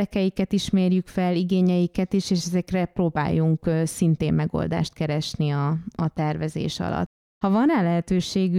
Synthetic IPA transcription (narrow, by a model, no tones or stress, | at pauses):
ɛkɛjikɛt̪iʃmeːrjykfɛlːiɡeːɲɛjikɛt̪iʃeːʃɛzɛkrɛproːba̰ːjːuŋksint̪eːmmɛɡo̰ld̪a̰ːʃt̪̚kɛɾɛʃniɒːt̪ɛrvɛzḛːʃɒ̰lɒ̰t̪ː | hɒvɒnaːlɛɦɛt̪øːʃeːɡy